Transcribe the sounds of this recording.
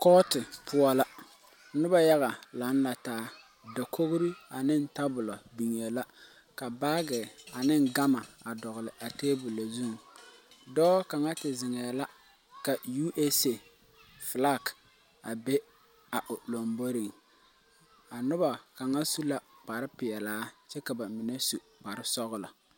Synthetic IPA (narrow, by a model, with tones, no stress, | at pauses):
kɔː˦tɪ˨pʰʊ˦ɔ˦la˦ | nʊ˦ba˨ja˦ɣa˨la˨˦n˦la˨taː˨˦ | da˨kʰo˦ɣɾi˦a˨nɪ˦n̩˦ta˦bʊ˨la˨bi˨ŋ˨e˨la˦ | ka˨ba˦ɡɪ˨a˨nɪ˦ŋɡa˦ma˨a˨dɔ˨ɣʊ˨lɪ˨ʔa˨teː˦bu˨la˨zu˦ŋ˨ | dɔː˦ka˨ŋa˦tɪ˨zɪ˨ŋɛ˨la˦ | ka˨ju˦ʔe˦se˨ | fla˦˨k | a˨be˦ | a˨ʔʊ˨lo˨mbo˦ɾi˨ŋ | a˨nʊ˦ba˨ka˨ŋa˦su˦la˨k͡pa˨ɾɪ˦pɪ˨ɛ˨laː˨˦t͡ʃɛ˦ka˨ba˨mɪ˨nɛ˦su˨ | k͡pa˨ɾɪ˦sɔ˦ɣʊ˦la˨